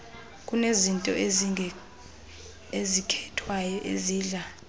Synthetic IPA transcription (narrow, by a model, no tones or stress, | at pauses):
kʼunezintʼɔ̰ | ezikʰɛtʰwajɔʔḛziːɮa